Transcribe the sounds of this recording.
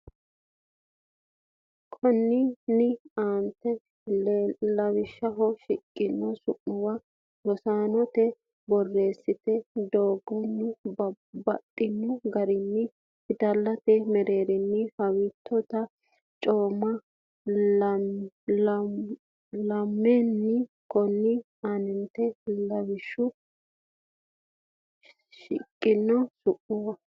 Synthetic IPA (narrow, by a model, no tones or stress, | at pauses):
kʰɔnːɪnɪaːnt̪ːɛ | lɐwɪʃːɐɦɔʃɪkʼːɪnːɔsʊʔːʊwɐ | lɔsaːnɔt̪ɛ | bɔrːe̞ːsːɪt̪ɛd̪oːɡːɔnːʊ | bɐt̪ʼːɪnːʊɡɐɾɪnːɪ | hɪt̪ɐlːɐt̪ɛmɛɾeːɾɪnːɪhɐwiːt̪ʰːɔt̪ɐ | t͡ʃʼoːmːɐ | lɐmːɛnːɪ | kɔnːɪ | anɪnt̪ɛlɐwɪʃːʊ | ʃɪ̰kʼːɪnːɔsʊʔʊwɐ